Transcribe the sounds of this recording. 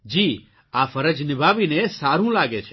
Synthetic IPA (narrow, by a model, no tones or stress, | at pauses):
d͡ʒi | afəɾəd͡ʒnɪbʱaʋinesaɾũlaɡet͡ʃʰ